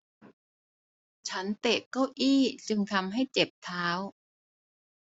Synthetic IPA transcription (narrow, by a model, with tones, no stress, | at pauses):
t͡ɕʰa˦˥nt̪e˨˩kːa˥˩wʔiː˥˩t͡ɕɯ˧ŋt̪ʰa˧mɦa˥˩jt͡ɕe˨˩p̚t̪ʰaː˦˥w